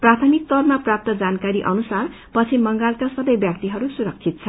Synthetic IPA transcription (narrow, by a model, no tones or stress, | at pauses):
prat̪ʰʌmik̚t̪ʌrmaprap̚t̪ʌd͡zankaɾiʔʌnusar | pʌt͡sʰimʌŋɡalkasʌbʌjbjak̚t̪iɦʌɾusuɾʌk̚t͡sʰit̪̚t͡sʰʌ